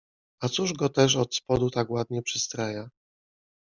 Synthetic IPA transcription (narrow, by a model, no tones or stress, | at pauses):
at̪suʐɡɔt̪ɛʂ̬ɔt̪spɔd̪ut̪akwad̪ɲɛpʂɘst̪ɾaja